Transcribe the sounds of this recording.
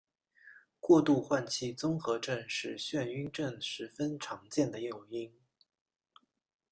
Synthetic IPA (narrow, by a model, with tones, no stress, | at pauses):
kwɔ˥˧t̪u˥˧xwa˥˧nt͡ɕʰi˥˩t͡sʊ˥ŋxɤ˧˥ʈ͡ʂə˥˧nʂɻ̩˥˩ɕɥɛ˥˩ny˥nʈ͡ʂə˥˩nʂɻ̩˧˥fə˥nʈ͡ʂʰɑ˧˥ŋt͡ɕjɛ˥˩nd̪ə˩jo˨˩ʊi˥ŋ